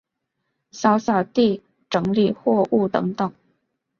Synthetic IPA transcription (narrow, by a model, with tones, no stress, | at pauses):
ɕjɑ˥ʊɕjɑ˨˩ʊt̪i˥˩ | ʈ͡ʂɤ˧˥ŋli˥˩xwɔ˥˧ʔu˥˩t̪ɤ̰˧˥ŋt̪ɤ˨˩˦ŋ